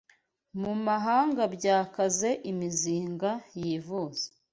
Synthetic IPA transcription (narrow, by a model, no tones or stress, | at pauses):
mumaɦaːŋɡabɟaːkaze̞ʔimiziːŋɡajiːvuz̥e̥